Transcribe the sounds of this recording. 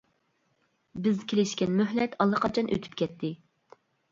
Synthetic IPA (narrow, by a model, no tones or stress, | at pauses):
bɪzkʲʰelɪʃkʲɛnmøɦlɛt̪ʰɑlˠːɑqʰɑt͡ʃʰɑnʔø̰t̪ʰy̥p̚kʲʰɛt̪ʰːɪ